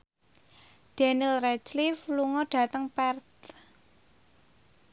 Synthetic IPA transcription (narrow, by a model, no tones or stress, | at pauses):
ɖ̥enilrɛt͡ʃlifluŋɔɖ̥a̤t̪əŋpɛrt̪̚